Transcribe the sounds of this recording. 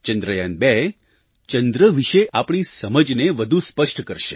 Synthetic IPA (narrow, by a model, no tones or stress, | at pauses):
t͡ʃənd̪ɾəjanbɛ | t͡ʃənd̪ɾəʋiʃeʔapɳ̃isəməd͡ʒneʋəd̪ʱuspəʂʈkəɾʃe̥